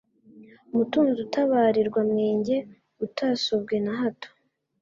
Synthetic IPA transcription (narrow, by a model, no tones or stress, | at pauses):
umutuːnzutaβaːɾiɾɡwamŋe̞ːɲɟe̞ | utʰaːsob̚ɡe̞naɦato̥